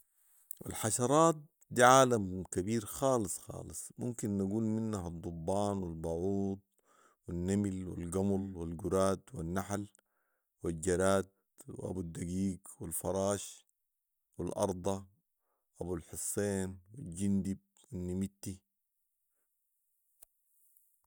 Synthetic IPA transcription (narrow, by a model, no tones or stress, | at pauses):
ʔa̰lħɑʃɑɾˤɑːt̪̚ | d̪iʕaːlamkabiːɾxɑːlɨsˤxɑ̰ːlɨsˤmṵmkinːaɡuːlminːaɦɑd̪ˤːubːɑːnwilbɑʕuːd̪̚ | winːamilwḭlɡamulwilɡuɾaːd̪winːaħl | wild͡ʒaɾaːd̪̚ | w̰ʔa̰bud̪ːaɡiːɡwilfɑɾˤɑːʃ | wilʔɑ̰ɾˤd̪ˤɑ | ʔabulħʊsˤːeːnwild͡ʒind̪ib̚winːimit̪ːi